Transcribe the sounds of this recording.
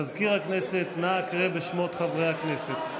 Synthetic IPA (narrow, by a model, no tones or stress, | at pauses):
azkiʁhakne̞set̪nakʁebeʃmo̞t̪χavʁejhakne̞set̪